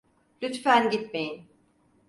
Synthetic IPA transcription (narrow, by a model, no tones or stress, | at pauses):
lʲyt̪fænɟit̪me̞jin